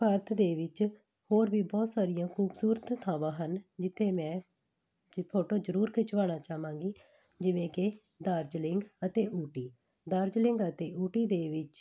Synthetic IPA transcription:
pəɾt̪ʰd̪eːʋɪt͡ʃ | hoːɾbiːbɔːt̪saːɾɪjãːkʰuːbsuːɾət̪ːʰãːʋãːɦənd͡ʒɪt̪ʰːeːmɛ̃ː | pʰoːʈoːd͡ʒəɾuːɾkʰɪt͡ʃʋaːnaːt͡ʃaːʋãːŋɡiː | d͡ʒɪʋẽːke | d̪aːɾd͡ʒlɪŋɡət̪eːʔuːʈiː | d̪əːɾd͡ʒlɪ̃ŋɡət̪eːuːʈiːd̪eːʋɪt͡ʃ

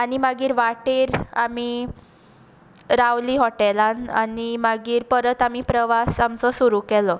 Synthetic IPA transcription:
añimaɡiːɾʋaʈeːɾami | ɾawliːɦɔʈɛlana̰nimaɡiːɾpəɾət̪amipɾəʋasamt͡sɔsuɾuːkɛlɔ

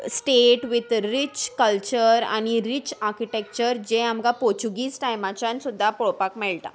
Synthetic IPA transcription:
sʈeʈʋit̪ɾit͡ɕkəlt͡ɕəɾa̰ɽ̃iɾit͡ɕaɾkiʈek̚t͡ɕəɾd͡ʑeamɡapoɾt͡ɕuɡiːsʈajmat͡ɕansud̪ʱːapɔɭopakmɛɭʈa̰

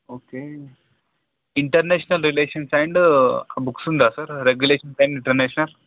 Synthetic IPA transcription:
oke | iɳʈəɾneɕnɐlɾileɕənsajɳɖabuksund̪asəɾɾeɡjuleɕənsajɳɖiɳʈəɾneɕnɐl

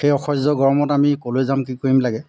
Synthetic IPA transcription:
xejɔxʰɔszɔɡɔɹɔmɔtamikolojzamkikoɹimlaɡɛ

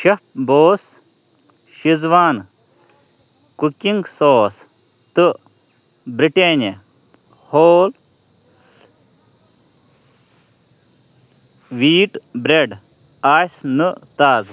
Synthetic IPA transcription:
ʃɐp̚boːs | ʃizʋaːn | kukiŋɡsoːs | t̪ɨ | bɾiʈeːne | hoːl | ʋiːʈbɾeɖ | aːsnɨt̪aːz

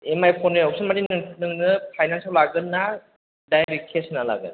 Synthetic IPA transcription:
emajpʰɔnɯɔk̚sɯnmadinnɯŋnɯpʰajnansawlaɡɯnːa | dajɾikʰesɯnala̰ɡɯ̰n

